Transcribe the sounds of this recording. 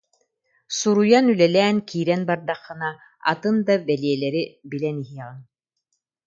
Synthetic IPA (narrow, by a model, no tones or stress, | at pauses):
suɾujanylɛlɛːnkiːɾɛnbaɾd̪aχːɯ̆na | a̰t̪ɯnd̪abɛliɛlɛɾibilɛniɦiɛʁɯn